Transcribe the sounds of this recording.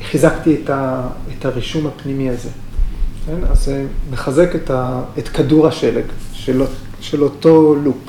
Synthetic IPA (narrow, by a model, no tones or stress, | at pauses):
χizaktietaetaʁiʃumhapnimiaze̞ | kenazemeχaze̞ketaetkaduʁaʃeleɡʃeloʃelo̞to̞luk